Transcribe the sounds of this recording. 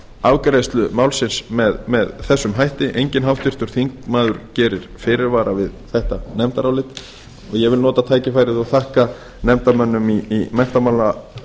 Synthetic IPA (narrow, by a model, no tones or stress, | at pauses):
avkɾaðst̪lʏmawlsɪnsmɛðmɛðθɛsːʏmɦajht̪ɪʔejɲcɪnɦawft̪ɪr̥t̪ʏɾ̥θiŋkmaːðʏɾcɛːɾɪɾ̥fɪːɾɪɾvaːɾavɪðθɛht̪anɛmt̪aɾawlɪt̪ | ɔɣjɛvɪlnɔːt̪at̪ʰaːjcɪfajɾɪðɔɣθahka | nɛm̥t̪amœnːʏmiimɛn̥t̪amaːwla